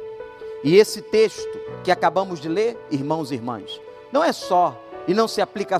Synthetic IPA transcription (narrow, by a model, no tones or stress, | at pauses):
ɪesɪt̪eʃt̪ʊkɪakabɐ̃mʊzd͡ʒɪleɾiɾmɐ̃w̃ziɾmɐ̰̃s | nɐ̃w̃ɛsɔ | ɪnɐ̃w̃sɪaplikɐ